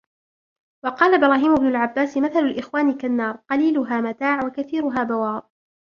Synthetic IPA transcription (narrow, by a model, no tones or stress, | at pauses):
wɑqɑːlabɾˤɑːɦiːmʊbnʊlʕabːaːsmaθalʊlʔɪxwaːnikanːɑːɾˤqɑliːlʊɦaːmat̪aːʕwakaθiːɾʊɦaːbawaːð